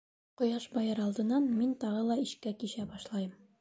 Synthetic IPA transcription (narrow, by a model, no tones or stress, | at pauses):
qŏjɑʃbɒjɤɾɒlˠd̪ɤ̆nːɑnmint̪ɒʁɤlˠɑiɕkækiɕæbɒʃlˠɑjɤm